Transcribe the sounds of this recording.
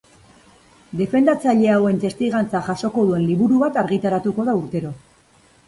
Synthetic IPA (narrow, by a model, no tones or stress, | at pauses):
d̪e̞fe̞nd̪at͡saʎe̞awe̞nt̪e̞st̪iɣant͡saʝaʃo̞ko̞ðue̞nliβuɾuβat̪aɾɣit̪aɾat̪uko̞ðauɾt̪e̞ɾo̞